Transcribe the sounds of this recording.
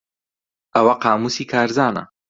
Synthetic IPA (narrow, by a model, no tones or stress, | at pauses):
ɐwɐqɑːmusiːkʰaːɾzaːnɐ̰